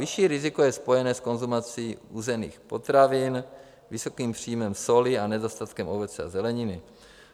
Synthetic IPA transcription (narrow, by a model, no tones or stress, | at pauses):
vɪʃiːɾɪzɪkojɛspo̞jɛnɛːsko̞nzumat͡siːuːzɛnḭːxpo̞t̪ɾavɪn | vɪso̞kiːmpr̝̥iːmɛmso̞lɪanɛzost̪at̪kɛmʔobɛt͡sɛazɛlɛɲɪnɪ